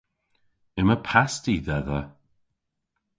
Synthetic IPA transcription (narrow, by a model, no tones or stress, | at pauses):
ɪməpʰastiðɛðə